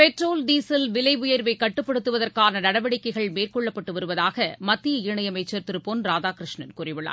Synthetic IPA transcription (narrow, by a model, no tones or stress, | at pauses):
pɛʈroːlɖ̪iːsɐlʋɪlɐɪʋʊjɐɾʋɐɪkːɐʈːɯpːɐɽɯt̪ːɯʋɐðɐrkaːnɐnɐɽɐʋɐɽɪkːɐɪɣɐɭmeːrkɔɭːɐpːɐʈːɯʋɐɾɯʋɐðaːɣɐmɐt̪ːɪjɐɪɾɯɳɐjɐmɐɪt͡ʃːɐɾt̪ɪɾɯpoːnɾaːðaːkɾɪʂɳɐnkʊɾɪʋɯɭːa̰ː